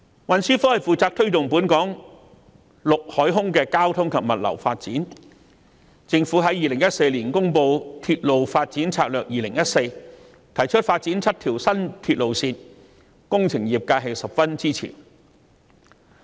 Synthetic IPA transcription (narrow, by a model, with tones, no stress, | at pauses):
wɐ˨nsyː˥fɔː˥hɐ˨jfuː˨˩t͡saː˧k̚t̪ʰɵ˥ɥt̪ʊ˨ŋpuː˨˥nkɔː˨˥ŋ | lʊ˨k̚hɔː˨˥jɦʊ˥ŋkɛː˧kaː˥wt̪ʰʊ˥ŋkʰɐ˨p̚mɐ˨t̚lɐ̰˨˩wfaː˧t̚t͡siː˨˥n | t͡sɪ˧ŋfuː˨˥ɦɐ˨˥jːiː˨lɪ˨˩ŋjɐ˥t̚se˧jliː˨˩nkʊ˥ŋpo˧wt̪ʰyː˧t̚lo˨wfaː˧t̚t͡siː˨˥nt͡sʰaː˧k̚lœː˨k̚jiː˨˩lɪ˨˩ŋjɐ˥t̚se˧j | t̪ʰɐ˨˩jt͡ʃʰɵ˥t̚faː˧t̚t͡siː˨˥nt͡sʰɐ˥t̚t̪ʰiː˨˩wsɐ˥nt̪ʰyː˧t̚lo˨wsiː˧n | kʊ˥ŋt͡sʰɪ˨˩ŋjiː˨˩p̚kaː˧ɦe˨jsɐ˨pfɐ˥nt͡siː˥t͡sʰḭ˨˩n